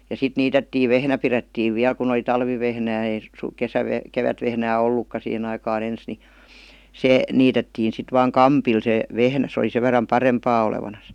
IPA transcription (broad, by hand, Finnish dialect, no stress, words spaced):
jɑ sit niːtetːiː ʋehnæ piretːiːʋ ʋiæl kun oli tɑlʋiʋehnæː ei s kesæʋeh keʋætʋehnæː olːukːɑ sihen ɑikɑːn ens ni se niːtetːiːn̞ sit ʋɑːŋ kɑmpil se ʋehnæ sĕ ol̆i se ʋerˑɑm pɑrempɑː oleʋɑnɑs